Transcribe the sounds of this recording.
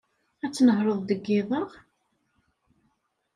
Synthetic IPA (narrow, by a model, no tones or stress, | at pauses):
æt͡sːnəɦɾˤəðˤd̪əɡːɪðˤəʁ